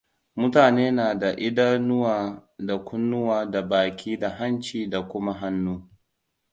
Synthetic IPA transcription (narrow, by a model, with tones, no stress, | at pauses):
mʊ˦taː˨neː˦naː˨da˨ʔɪ˦da˦nʊ˦waː˨da˨kʷʊ˦nːʊ˦waː˨da˨baː˨kʲʰiː˦da˨ɦa˦nt͡ʃiː˨da˨kʷʊ˦ma˦ɦa˦nːuː˦